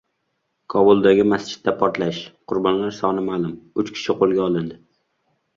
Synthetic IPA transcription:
kʰɒbʊlˠd̪aɡʲɪmast͡ʃɪ̥t̪̚ːapʰɒɾt̪laʃqʰʊɾbɒnlaɾsɒnɪmalʊmʊt͡ʃkʲʰɪ̥ʃɪqʰolˠɡʲaɒlˠɪnd̪ɪ

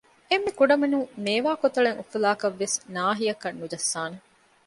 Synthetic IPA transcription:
emːikuɖɐmenumeːʋaːkot̪ɐɭeŋʔufulaːkɐʋːesnaːɦijɐkɐnːud͡ʒɐsːaːne

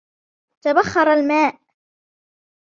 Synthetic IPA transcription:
t̪abaχːɑɾˤalmaːʔ

